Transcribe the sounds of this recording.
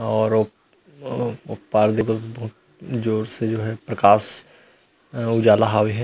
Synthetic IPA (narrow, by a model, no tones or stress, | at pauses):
ɔːɾo | ʊpaːɾd̪et̪obɐɦʊt̪ | d͡ʒoːɾsed͡ʒoːɦɛpɾɐkaːʃ | ʊd͡ʒaːlaɦaːwiɦɛ